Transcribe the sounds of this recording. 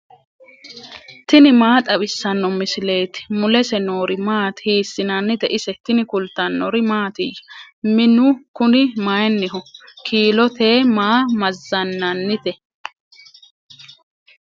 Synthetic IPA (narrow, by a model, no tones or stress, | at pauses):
t̪ɪnɪmaːt̪ʼɐbɪsːɐnːɔmɪsɪle̞ːt̪ɪ̥mʊlɛsɛnoːɾɪmaːt̪hiːsːɪnɐnːɪt̪ɛʔɪsɛt̪ɪnɪkʊlt̪ːɐnːɔɾɪmaːt̪ɪj | mɪnʊkʊnɪmajɛnːɪhɔkʰiːlɔt̪eːmaːmɐzːɐnːɐnːɪt̪ɛ